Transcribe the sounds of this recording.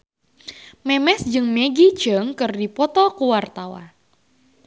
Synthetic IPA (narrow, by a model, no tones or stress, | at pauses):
mɛmɛsd͡ʒɨŋmɛɡit͡ʃəŋkɨrdipɔt̪ɔkuwart̪awa̰n